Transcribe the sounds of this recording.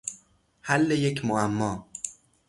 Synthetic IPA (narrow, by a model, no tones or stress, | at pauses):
hælːejecʰmoæmːɒː